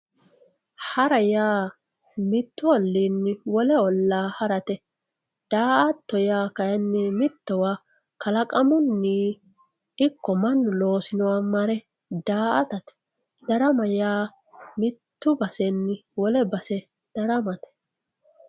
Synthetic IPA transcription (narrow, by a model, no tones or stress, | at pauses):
hɐɾɐjaː | mɪt̪ːʊɔlːinːɪwɔlɛɔlːaːhɐɾɐt̪ɛ | d̪̥aːʔɐt̪ːɔjaːkɐjɛnːɪmɪt̪ːɔwa | kɐlɐkʼɐmʊnːiː | ɪkːɔmɐnːʊlo̞ːsɪnɔwamɐɾɛ | d̪aːʔɐt̪ɐt̪ɛ̥ | d̪̥ɐɾɐmɐjaː | mɪt̪ːʊbɐsɛnːɪwɔlɛbɐsɛ | d̪̥ɐɾɐmɐt̪ɛ̥